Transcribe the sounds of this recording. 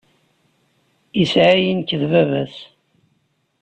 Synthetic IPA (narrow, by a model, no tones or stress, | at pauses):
isʕajənkːəðvævæs